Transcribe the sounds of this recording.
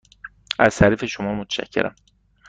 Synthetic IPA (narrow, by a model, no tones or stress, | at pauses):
æz̥t̪ʰæɾiːfe̞ʃomɒːmot̪ʰæ̥ʃæ̰cʰːe̞̰ɾʔæ̰m